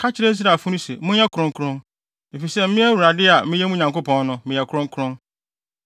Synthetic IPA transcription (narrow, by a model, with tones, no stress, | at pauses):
kʰa˦t͡ɕʰɪ˦ɾe˦s̬i˦ɾa˨fʊ̃˦nũ˦sḛ˨mʊ̃˦ɲ˦ɛ˦kʰɾʊ̃˦ŋ˦kʰʊ˦ɾʊ̃˦n | e˨fi˨sɛ˦m˦mĩ˦æ˦wu˨ɾa˨dɪ˦a˨mɪ̃˦jɛ˦mũ˦˨ɲã˨ŋko˦pɔ̃˦nnʊ̃˦mɪ̃˨ɛ˨kʰʊ˦ɾʊ̃˦ŋ˦kʰʊ˦ɾʊ̃˦n